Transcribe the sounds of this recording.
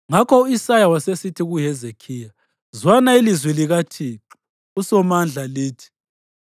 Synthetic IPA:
ŋakɔuisajawasesitʰiɣuɦɛzekʰiːja | zwanailizwiliɣatʰiǁi | usɔmand͡ɮʱaliːtʰi̥

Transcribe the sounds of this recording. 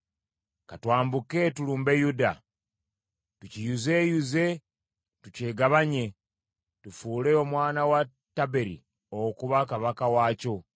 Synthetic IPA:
katwaːmbuke̞tuluːmbe̞juda | tucijuze̞juze̞ | tuce̞ːɡaβaɲe̞ | tufuːle̞omwaːnawa | tːabe̞ɾḭ | okuβakaβakawaːco̞

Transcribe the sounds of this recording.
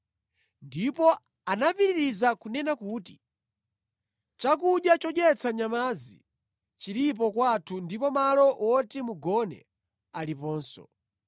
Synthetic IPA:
ndipɔ | anapiɾiɾizakunɛnakuːti | t͡ʃak̬uɗjat͡ʃɔɗjɛt͡sʰaɲamazi | t͡ʃiɾip̬ɔkwatʰundipɔmalɔwɔtimuɡɔnɛ̰ | alipɔːnsɔ̰

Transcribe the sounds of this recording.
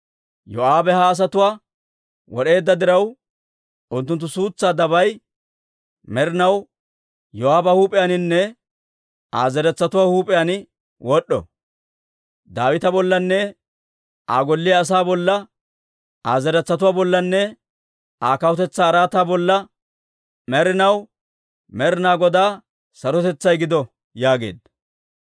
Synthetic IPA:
jɔaːbɛhɐːs̬ɐt̪ʊwaː | wɔɗe̞ːd̪ːɐd̪ɪɾɐw | ʔʊnt̪ːʊnt̪ːʊsuːt͡sːaːd̪ɐbɐj | mɛɾɪnɐw | jɔaːbɐhuːpʼɪjanɪnːɛ | a̰ːzɛɾɛt͡sːɐt̪ʊwaːhuːpʼɪjanɪ | wʔɔɗːɔ̰ | d̪aːwɪt̪ɐbɔlːɐnːɛ | aːɡɔlːɪjɐːs̬aːbɔlːɐ | aːzɛɾɛt͡sːɐt̪ʊwaːbɔlːɐnːɛ | aːkɐwʊt̪ɛt͡sːaːɾaːt̪aːbɔlːɐ | mɛɾɪnɐw | mɛɾɪnaːɡɔd̪aː | sɐɾɔt̪ɛt͡sːɐjɡɪd̪ɔ | jaːɡe̞̰ːd̪

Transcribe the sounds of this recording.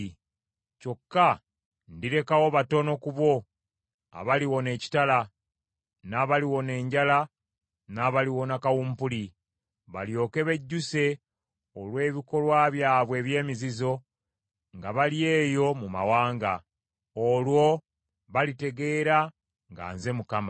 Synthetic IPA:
co̞kːa | ndiɾe̞kawo̞βato̞no̞kuβwo̞ | a̰βaliwo̞ne̞ːci̥tala | naβaliwo̞ne̞ːɲɟala | naβaliwo̞nakawumpuli | βaljo̞ːke̞βe̞ɟːuse̞ | olwe̞ːβiko̞lwaːβjaːβwe̞ːβje̞ːmizizo̞ | ŋɡaβalije̞ːjo̞muma̰waːŋɡa | olwo̞ | βalite̞ɡe̞ɾa | ŋɡa̰ːnze̞mukama

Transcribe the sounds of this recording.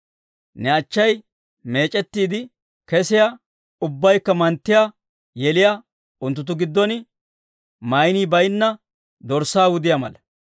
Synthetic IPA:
nɛɐt͡ʃːɐj | me̞ːt͡ʃʼɛt̪ːiːd̪ɪ | kɛsɪja | ʊbːɐjkːɐmɐnt̪ːɪja | jɛlɪja | ʊnt̪ːʊt̪̬ːʊɡɪd̪ːɔnɪ | mɐjniːbɐjnːɐ | d̪ɔɾsaːwʊd̪ɪjamɐ̰lɐ

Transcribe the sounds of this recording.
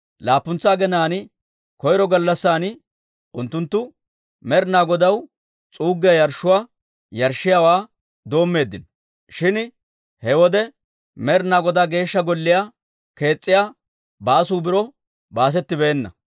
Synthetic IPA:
laːpːʊnt͡sːaːɡɛnaːnɪ | kɔjɾɔɡɐlːɐsːaːnɪ | ʊnt̪ːʊnt̪ːʊ | mɛɾnaːɡɔd̪ɐw | t͡sʼuːɡːɪjɐjɐɾʃːʊwaː | jɐɾʃːɪjawaː | d̪o̞ːmːe̞ːd̪ːɪn | ʃɪn | hɛwɔd̪ɛ | mɛɾnaːɡɔd̪aɡe̞ːʃːɐɡɔlːɪja | ke̞ːt͡sʼːɪjaː | baːsuːbɪɾɔ | baːs̬ɛt̪ːɪbɛːnːɐ̰

